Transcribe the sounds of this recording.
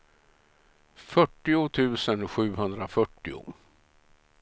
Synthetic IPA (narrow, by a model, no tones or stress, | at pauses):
fœʈːɪʊt̪ʰʉ̟ːsənɧʉ̟ːɦɵnd̪ɾafœʈːɪ̰ʊ̰